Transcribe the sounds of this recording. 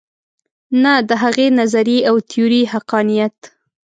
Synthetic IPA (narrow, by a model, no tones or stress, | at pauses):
nad̪əɦaɣenazaɾiawt̪ʰiuɾihaqɑnijat̪